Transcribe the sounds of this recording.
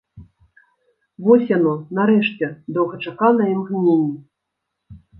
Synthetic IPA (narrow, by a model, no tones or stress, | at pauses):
vɔsʲjanɔnaɾɛʂt͡sʲɛd̪ɔwɣɐt͡ʂakanɐjimɣnʲenʲːi